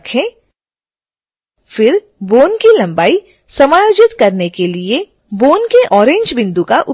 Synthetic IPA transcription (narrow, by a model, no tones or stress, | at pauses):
kʰẽː | fɪɾ | boːnkilɐ̃mbaːi | sɐmaːjoːd͡ʒɪt̪kɐɾnekelie | boːnkeʔɔːɾẽːɲd͡ʒbɪ̃nd̪ukaʔʊ